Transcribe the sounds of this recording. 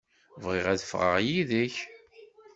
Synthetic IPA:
vʁɪʁæðfʁə̰ʁjiðəç

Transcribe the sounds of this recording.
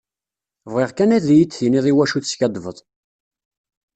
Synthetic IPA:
vʁiʁkænæðjit͡sːθiniðˤiwæʃuθsçæd̪ˤvəðˤ

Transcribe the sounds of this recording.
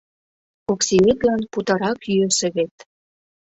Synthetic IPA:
oksiet̪lɑnput̪ɑɾɑkyøsɘ̆βet̪

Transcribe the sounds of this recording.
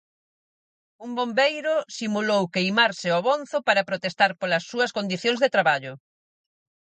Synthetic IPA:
umbombejɾʊsimulowkejmaɾsɪɔβonθʊpaɾɐpɾot̪est̪aɾpolɐsːuɐskond̪iθjoŋzðet̪ɾaβaʎʊ

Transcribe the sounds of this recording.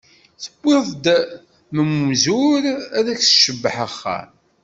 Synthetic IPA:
θə̥bːɪðˤd̪ | məmzʊɾæðæksʃəbːəħəχːa̰

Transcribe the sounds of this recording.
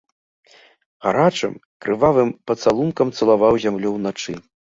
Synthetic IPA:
ɣaɾat͡ʂɨ̰m | kɾʔɨvavɨmpɐt̪salˠunkɐmt̪sɐlˠavawzʲamlʲɔwnat͡ʂɨ

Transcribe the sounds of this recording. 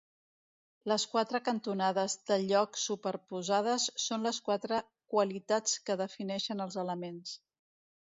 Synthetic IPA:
ləskwat̪ɾəkənt̪unaðəzðəʎɔksupəɾpuzað̞əsːonləskwat̪ɾə | kwəlit̪at͡skəðəfinɛʃənəlˠzələmens

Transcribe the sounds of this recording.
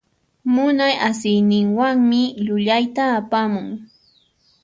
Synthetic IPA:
mʊnajasɪjnɪŋwaŋmɪʎʊʎajt̪aːpamʊŋ

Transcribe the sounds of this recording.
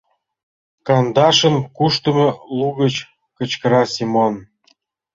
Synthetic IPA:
kɑnd̪ɑʃə̆nkuʃt̪ə̆mɤ̆lˠuɣə̆t͡ɕ | kə̆t͡ɕkə̆ɾɑsʲimon

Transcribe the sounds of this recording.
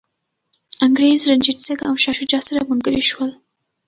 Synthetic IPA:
aŋɡɾezɾand͡ʒɪʈseɡawʃɑʃʊd͡ʒɑsaɾamʊŋɡəɾiʃwəl

